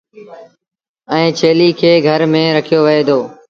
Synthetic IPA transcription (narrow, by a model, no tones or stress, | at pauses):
ɛ̃ːt͡ʃʰeːliːkʰeːɡʱəɾmẽːɾəkʰijoːʋɪeːd̪oː